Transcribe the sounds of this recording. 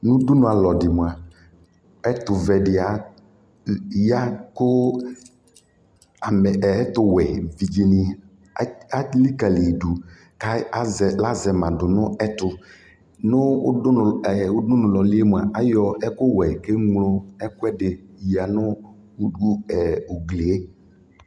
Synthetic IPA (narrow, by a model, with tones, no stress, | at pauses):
nʊ̃˦dʊ˦nʊ̃˦a˨lɔ˨dɪ˨m˨a˨ | ɛ˦t̪ʊ˨vɛ˨dɪ˨a˨ | ja˦kʊ˦ | a˨mɛ˨˦t̪ʊ˦wɛ˨vi˨d͡ʒi˦nɪ˦ | a˦li˦ka˨li˨du˨ | ka˦zɛ˨la˦zɛ˨mã˨dʊ˨nʊ˦ɛ˦tʊ˨ | nʊ˦ʊ˦˨ʊ˦dʊ˦nʊ̃˨lɔ˨lɪ˦e˦m˨a˨ʔa˨jɔ˨ɛ˦kʊ˦wɛ˨ke˦ŋlʊ˦ɛ˦kʊ˦ɛ˦dɪ˨a˨nʊ˦ | du˦ɛ˨ʊ˨ɡli˨e˦